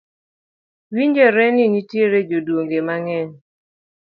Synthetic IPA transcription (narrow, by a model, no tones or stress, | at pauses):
wiɲd͡ʒɛɾɛnɪnitjeɾed͡ʒodwoŋɡemaŋɛn